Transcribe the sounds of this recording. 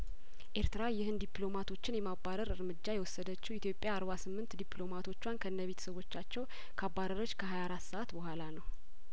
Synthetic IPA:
ʔe̞ɾt̪ɨɾajɪhɨnd̪iplo̞mat̪ʰo̞t͡ʃːɪnjɛmabːaɾəɾɨɾmɨd͡ʒːajɛwɔsːəd̪ət͡ʃːɛit̪jo̞pʼːjaːɾβasɨmːɨnt̪d̪iplo̞mat̪ʰo̞t͡ʃːwankʰəɨnːəβe̞t̪ʰə̥səβo̞t͡ʃːat͡ʃːɛw | kʰabːaɾəɾot͡ʃːkʰəɦajaɾat̪səʔat̪bəhʷalanəw

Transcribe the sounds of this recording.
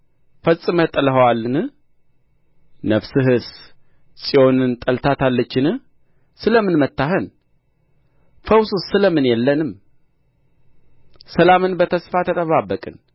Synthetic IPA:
fəsʼɨmət̪ʼələɦəwalːɨnɨ | nəfsɨɦɨs | sʼio̞nɨnt̪ʼəlt̪ʰat̪ʰalːət͡ʃːɪnɨ | sɨləmɨnmət̪ːaɦən | fəwsusːɨləmɨnjɛlːənɨm | səlamɨnbət̪ʰəsfat̪ʰət̪ʼəβabːəkʼɨn

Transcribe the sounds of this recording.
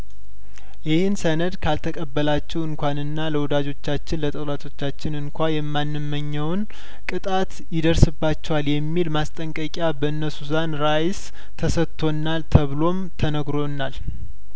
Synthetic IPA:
jɪhɪnsənəd̪kʰalt̪ʰəkʼəbːəlat͡ʃːɛwɨŋkʷanɨnːaləwɔd̪ad͡ʒo̞t͡ʃːat͡ʃːɪnlət̪ʼəwlat̪ʰo̞t͡ʃːat͡ʃːɪnɨŋkʷajɛmːanːɨmːəɲːəwn | kʼɨt̪ʼat̪ | jɪd̪əɾsɨbːat͡ʃːɛwaljɛmːilmast̪ʼəŋkʼəkʼjabəɨnːəsuzanɾajs | t̪ʰəsət̪ʰːo̞nːalt̪ʰəβlo̞mt̪ʰənəɡɾo̞nːal

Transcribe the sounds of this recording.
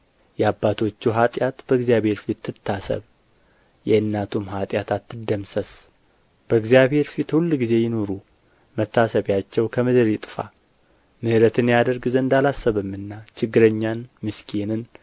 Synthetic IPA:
jɛabːat̪ʰo̞t͡ʃːuɦat̪ʼjat̪b̥əɨɡzijaβhe̞ɾfit̪ːɨt̪ʰːasə̰β | jɛɨnːat̪ʰumɦat̪ʼjat̪ʰat̪ːɨd̪ːəmsəs | b̥əɡzijaβhe̞ɾfit̪hulːɡize̞jɪno̞ɾu | mət̪ːasəβjat͡ʃːɛwkʰəmɨd̪ɨɾjɪt̪ʼɨfa̰ | mɨhɨɾət̪ʰɨnjad̪əɾɡɨzəɨnd̪alasːəβɨmːɨnːat͡ʃɪɡːɨɾəɲːanmɨskʰenɨn

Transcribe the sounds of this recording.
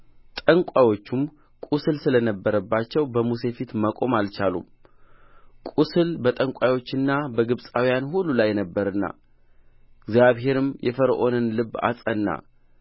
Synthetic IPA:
t̪ʼəŋkʷʼajo̞t͡ʃːum | kʼusɨlsɨlənəbːəɾəbːat͡ʃːɛwbəmuse̞fit̪məkʼo̞malt͡ʃalum | kʼusɨlbət̪ʼəŋkʷʼajo̞t͡ʃːɨnːabəɡɨβsʼawijanhulːulajːɛnəbːəɾɨnːa̰ | ɪɡzjaβɦe̞ɾɨmjʔɛfəɾʔo̞nɨnlɨbːa̰sʼənːa̰

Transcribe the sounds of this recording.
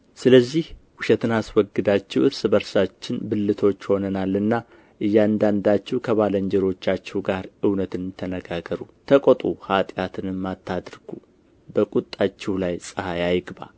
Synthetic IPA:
sɨləzːihwʊʃɛt̪ɨnaswɔɡːɨd̪at͡ʃːɛwɨɾsɨbəɾsat͡ʃːɪnbɨlːɨt̪ʰo̞t͡ʃːho̞nənalːɨnːa | ʔɨjːand̪and̪at͡ʃːɛwkʰəβaləɲd͡ʒɛɾo̞t͡ʃːat͡ʃːɛwɡaɾɨwnət̪ʰɨnt̪ʰənəɡaɡəɾut̪ʰəkʼot̪ʼuhat̪ʼjat̪ʰɨnɨmːat̪ʰːad̪ɾɡ̥u | bəkʼut̪ʼːat͡ʃːɛwlajsʼɨhajajɡba̰

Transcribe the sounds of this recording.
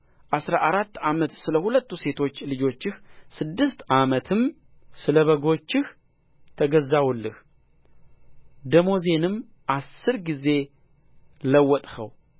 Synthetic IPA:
ʔasɾaʔaɾat̪ːamət̪sɨləhulət̪ːuse̞t̪ʰo̞t͡ʃːlɨd͡ʒo̞t͡ʃːɪxsɨd̪ːɨst̪amət̪ʰɨm | sɨləβəɡo̞t͡ʃːɪh | t̪ʰəɡəzːawulːɨh | d̪əmo̞ze̞nɨm | ʔasːɨɾɡize̞ | ləwːɔt̪ʼhə̰w

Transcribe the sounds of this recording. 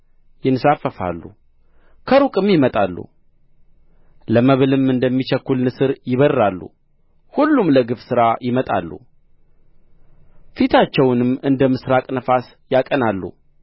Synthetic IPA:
jɪnɨsafːəfa̰lːṵ | kʰəɾukʼɨmjɪmət̪ʼalːṵ | ləməβɨlɨmɨnd̪əmːit͡ʃəkːulnɨsɨɾjɪβəɾːalːṵ | hulːumləɡɨfsɨɾajɪmət̪ʼa̰lːṵ | fit̪ʰat͡ʃːɛwnɨmɨnd̪əmɨsɾakʼnəfas | jakʼənalːṵ

